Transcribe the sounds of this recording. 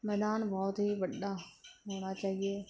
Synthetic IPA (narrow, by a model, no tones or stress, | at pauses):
mɛd̪aːnbɔːt̪ɦiʋɐɗːaɦoːɽ̃at͡ʃaːɦieː